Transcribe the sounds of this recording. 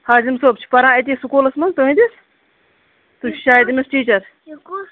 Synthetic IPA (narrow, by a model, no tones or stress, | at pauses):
haːzimsoːb̚t͡ʃʰi̥pɐɾãːet̪̬iːsukoːlɐsmɐnt̪uɦĩd̪is | t̪ut͡ʃʰʃaːjid̪imisʈiːt͡ʃɐɾ